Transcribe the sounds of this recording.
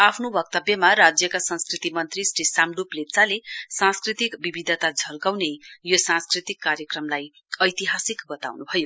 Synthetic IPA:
apʰnobʌk̚t̪ʌbjʌmarad͡zjʌkasʌ̃nskrit̪imʌnt̪risrisamɖuplett͡salesãnskrit̪ikbibid̪ʱʌt̪ad͡zʱʌlkawnejosãnskrit̪ikːarjʌkrʌmlaj | ʌjt̪iɦasikbʌt̪a̰wnubʱʌjo

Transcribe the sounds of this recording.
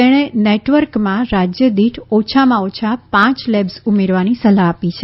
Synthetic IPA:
t̪eɽ̃eneʈʋəɾkmãɾad͡ʒjəd̪iʈʰɔt͡ʃʰamãot͡ʃʰapãt͡ʃlebsumeɾʋanisəlaːpit͡ʃʰe

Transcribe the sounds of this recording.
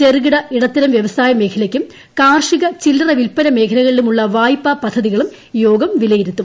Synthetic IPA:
t͡ɕerɣiɽɐiɽɐt̪ːɐɾɐmʋjɐʋɐsaːjɐme̞ːkʰɐlɐkʲːum | kaːrʂiɣɐt͡ɕilɐrɐʋilpɐlɐme̞ːkʰɐnɐɣɐɭilumuɭːɐʋaːjpːapɐd̪ʱːɐðiɣɐɭum | joːɡɐmʋilɐjiɾut̪ːum

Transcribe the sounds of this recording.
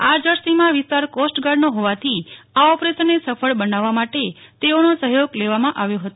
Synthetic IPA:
ad͡ʒəɾsimãʋɪst̪aɾkosʈɡaɽnoɦoʋat̪ʰi | aɔpɾesənːesəfəɭbənaʋːamaʈe | t̪eonosəɦjoɡleʋamãʔaʋjoɦət̪o

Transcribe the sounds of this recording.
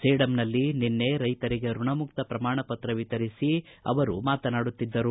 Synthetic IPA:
seːɽɐmnɐlːininːe̞ɾɐjt̪ɐɾiɡe̞ɾuɳɐmuk̚t̪ɐpɾɐmaːɳɐpɐt̪ɾɐʋit̪ɐɾisi | ɐ̰ʋɐɾṵmaːt̪ɐnaːɽut̪ːid̪ːɐɾu

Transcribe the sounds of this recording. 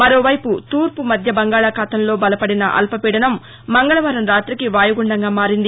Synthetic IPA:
mɐɾo̞ːʋɐjput̪uːɾpumɐd̪ʱjɐbɐŋɡaːɭaːkʰaːt̪ɐmlo̞ːbɐlɐpɐɽinɐ̰ʔɐ̰lpɐpiːɽɐnɐmː | ɐŋɡɐɭɐʋɐɾɐmɾaːt̪ɾikiʋaːjɐɡuɳɖɐŋɡaːmaːɾind̪i

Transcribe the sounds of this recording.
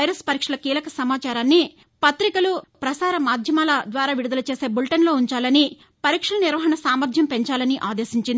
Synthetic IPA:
ɐjɾɐspɐɾiːkʂɐlɐkiːlɐkɐsɐmaːt͡ʃaːɾaːnːi | pɐt̪ɾikɐlupɾɐsaːɾɐmaːd̪ʱjɐmaːlɐd̪ʋaːɾaːʋiɽud̪ɐlɐt͡ʃeːse̞ːbulʈɐnlo̞ːuɲt͡ʃaːlɐni | pɐɾiːkʂɐlɐniɾʋɐɦɐɳɐsaːmɐɾd̪ʱjɐmpe̞ɲt͡ʃaːlɐniʔaːd̪e̞ːsiɲt͡ʃind̪

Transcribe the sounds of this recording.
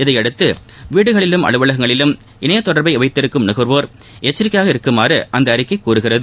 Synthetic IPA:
ɪðɐɪɐɽɯt̪ːɯ | ʋiːɽɯɣɐɭɪlɯmɐ̰ɭɯʋɐɭɐɣɐŋɡɐɭɪlɯm | ʔɪnɐjɐt̪ːɔɽɐɾbɐɪɛʋɐɪt̪ːɪɾɯkːɯmnɪɣɯɾʋoːɾ | ɛt͡ʃːɪɾɪkːɐjaːɣɐɪɾɯkːɯmaːɾɯʔɐnd̪ɐːɾɪkːɐɪkːuːɾɯɣɪrɐðɯ

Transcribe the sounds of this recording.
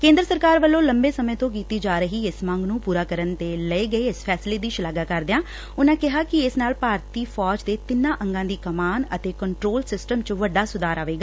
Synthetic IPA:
kẽːnd̪ɾəsəɾkaːɾʋəlːõːləmbeːsəmẽːt̪õːk̬iːt̪iːd͡ʒaːɾəɦiːɪsmãːŋɡnũːpuːɾaːkəɾənt̪eːləeːɡəeːɪspʰɛːsleːd̪iːʃəlaːɡaːkəɾd̪eãː | ʊnãːkɪɦaːkɪɪsnaːlpaːɾt̪iːfʰɔːd͡ʒd̪eːt̪ɪnãːʔə̃ŋɡãːd̪iːkəmaːnət̪eːkəɳʈɾoːlsɪsʈəmt͡ʃʋəɖaːsʊd̪aːɾaːʋeːɡaː

